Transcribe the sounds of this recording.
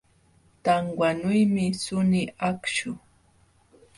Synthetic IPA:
t̪aŋwanʊjmɪsʊnɪakʃʊ

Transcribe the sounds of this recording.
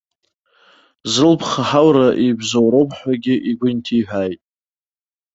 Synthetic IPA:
zɨlpʰχaħawɾaʔijbzowɾowpʰʼħʷaɡʲɪʔiɡʷʊntʰiħʷᶣaːjtʼ

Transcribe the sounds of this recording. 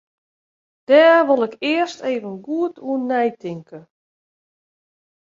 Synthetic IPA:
d̥ɛːrʋolˠɪkɪəsteːvənɡuətʰuənːɛjtʰɪŋkə

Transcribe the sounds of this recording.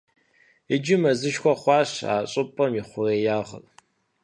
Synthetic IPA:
ɪd͡ʒɪmɐzɨʃkʷɔχʷɑːɕa̰ːɕʼɨpʼɐmiχʷʊreːjaːʁə̰ʔ

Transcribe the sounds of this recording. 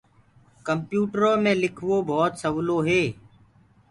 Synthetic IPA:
kəmpjuːʈɾõːmẽːlɪkʰʋoːbʱɔːt̪səʋloːɦeː

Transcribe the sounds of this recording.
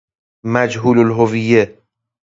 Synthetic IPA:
mæd͡ʒɦuːlolɦovijːe

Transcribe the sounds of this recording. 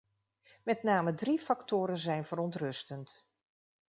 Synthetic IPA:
mɛtnaːmədrifɑktʊːɾənzɛjnvərɔntrɵstənt

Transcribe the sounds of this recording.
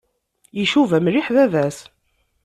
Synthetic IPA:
jiʃuvæmɾiħðæðæs

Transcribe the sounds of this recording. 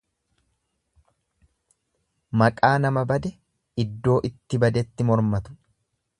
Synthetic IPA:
mɐkʼaːnɐmɐbɐd̪ɛ | ɪd̪ːo̞ːʔɪt̪ːɪbɐd̪ɛt̪ːɪmɔɾmɐt̪ʊ̥

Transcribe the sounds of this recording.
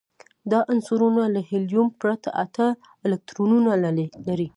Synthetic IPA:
d̪ɑʔansuɾunalahɪljumpɾat̪a̰ʔat̪a | ɪlɪk̚t̪ɾonunalaɾi

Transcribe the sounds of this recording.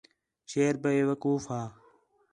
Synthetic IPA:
ʃeːɾbəeːʋəkuːfɦaː

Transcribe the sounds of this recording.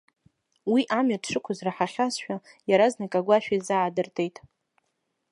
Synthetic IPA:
wiʔamɥadʂɨkʷʰʊzraħaχʲasʃᶣajaɾaznakʼaɡʷaʃᶣaizaʕadɨrtʼʰe̞jtʼ

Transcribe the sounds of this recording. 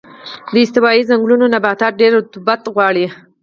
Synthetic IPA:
d̪əɪst̪ɪbɑizaŋɡlunonabat̪ɑɖeɾt̪ʊbat̪ɣwɑɽi

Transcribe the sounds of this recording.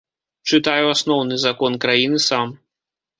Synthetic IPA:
t͡ʂɨt̪ajuasnɔwnɨzakɔnkɾajinɨsam

